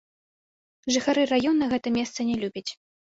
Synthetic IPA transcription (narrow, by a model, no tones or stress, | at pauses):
ʐɨxaɾɨrajɔnːɐɣɛt̪ɐmʲɛst̪sɐnʲɛlʲubʲɐt͡sʲ